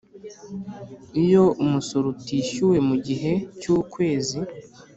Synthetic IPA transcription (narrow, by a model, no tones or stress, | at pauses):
ijoumusuɾutiːʃuwe̞muɟiɦe̞cuːkwe̞ːzi